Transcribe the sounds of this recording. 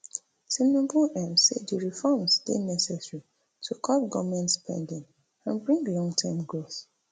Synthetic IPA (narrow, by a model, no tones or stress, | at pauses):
sĩnɔ̃buɛ̃mssediɹifɔmsdenɛsɛsɹi | tʰukʰɔpɡɔvmɛ̃ntspʰɛ̰̃ndĩŋ | ãnbɹĩŋɡlɔ̃ŋɡtʰɛmɡɹos